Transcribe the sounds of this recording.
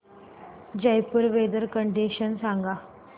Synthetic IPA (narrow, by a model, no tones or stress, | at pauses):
d͡ʑəjpəɾʋed̪əɾkəɳɖiɕənsãŋɡa